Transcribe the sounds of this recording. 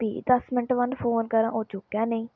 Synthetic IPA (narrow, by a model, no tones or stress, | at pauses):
p̪ḭːd̪əsmɪnʈʋənd̪pʰoːnkəɾãːʔoːt͡ʃʊkːɛːnəĩː